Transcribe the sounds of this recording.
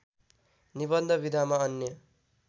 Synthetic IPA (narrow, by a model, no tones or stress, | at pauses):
nibʌnd̪ʱʌbid̪ʱamaʌnːjʌ